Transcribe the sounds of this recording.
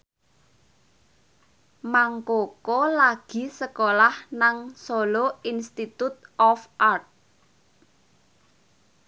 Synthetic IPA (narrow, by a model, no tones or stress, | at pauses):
maŋkokolaɡ̥i̤səkolahnaŋsoloinst̪it̪ut̪̚ɔfʔart̪̚